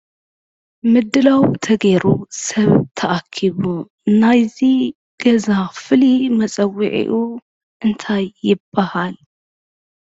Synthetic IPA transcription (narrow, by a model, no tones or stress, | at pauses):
mɨd̪ːɨlawt̪ʰɐɡeɾusɐβt̪ʰɐʔakʰːiβu | najzi | ɡ̥ɐzafɨlimɐt͡sʼɐwːiʕḭʔu | ʔɨnt̪ʰajːɪbːahal